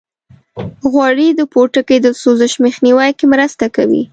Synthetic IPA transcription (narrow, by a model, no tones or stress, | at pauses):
ɣwɑɽid̪əpoɾʈəked̪əsozəʃmexniwajkemɾəst̪akawḭ